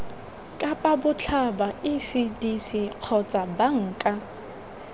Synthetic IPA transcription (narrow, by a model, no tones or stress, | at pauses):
kʼapʼabʊt͡ɬʰabaɪsidisiq͡χʰɔt͡sʼabaŋ̩kʼa